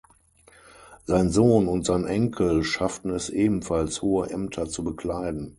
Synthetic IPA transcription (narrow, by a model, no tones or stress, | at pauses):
z̥aɪnzoːnʊntz̥aɪnʔɛŋkʰl̩ʃaftn̩ɛsʔeːbm̩falshoːəʔɛmtʰɐt͡subəkl̥aɪdn̩